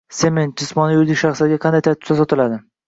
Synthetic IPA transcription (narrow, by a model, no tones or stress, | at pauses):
se̞me̞nt̪̚d͡ʒɪsmɒnːɪjʊɾd̪ɪkʲʃaχslaɾɡʲaqʰɑnd̪ajt̪ʰat̪ʰɪ̥sasɒt̪ʰɪlad̪ɪ